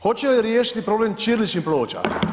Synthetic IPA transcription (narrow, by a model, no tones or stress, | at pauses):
xot͡ɕeliɾjeːʃi̥t̪ipɾo̞bleːmt͡ʃiːɾlit͡ʃimplo̞ːt͡ɕa̰